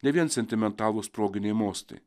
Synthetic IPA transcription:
nʲɛʋʲiɛnsʲɛnʲt̪ʲɪmʲɛnt̪ɑːlˠʊspɾoːɡʲɪnʲɛɪmoːsʲt̪ʲɐ̰ɪ

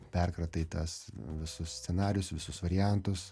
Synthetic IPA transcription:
pʲɛrkɾɐt̪ɐɪt̪ɐsʋʲɪsʊssʲt͡sʲɛnɑːɾʲɪjʊsʋʲɪsʊsʋɐɾʲɪjænt̪ʊs

